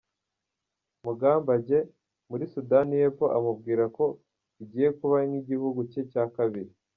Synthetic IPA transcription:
muɡaːmbaɟe̞ | muɾisudanije̞po̞ʔamub̚ɡiːɾako̞ | iɟiːje̞kuβaniɟihuɡucecaːkaβiɾi

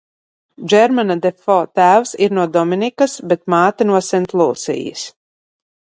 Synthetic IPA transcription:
d͡ʒɛɾmanad̪efɔt̪æːwsiɾnuɔd̪ɔminikɐsbet̪̚maːt̪inuɔsɛnt̪lˠuːsḭjḭs

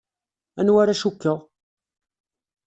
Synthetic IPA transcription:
ænwaɾaʃukːəʁ

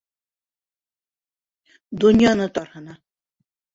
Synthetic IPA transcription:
d̪unʲjɑnɤt̪ɒɾhɤ̆nɑ

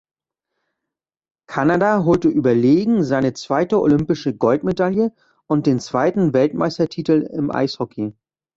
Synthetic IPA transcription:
kʰanadaɦoːltəʔyːbɐleːɡŋ̩zaɪnət͡sv̥aɪtəo̰lʏmpɪʃəɡɔltmedaljə | ʔʊnt̚d̥eːnt͡sv̥aɪtn̩vɛltma̰ɪstɐtʰiːtl̩ɪmʔa̰ɪshɔkʰi

